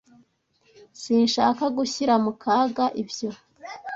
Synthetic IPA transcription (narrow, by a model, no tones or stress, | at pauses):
sinʃaːkaɡuçiɾamukʰaːɡaʔivjo̞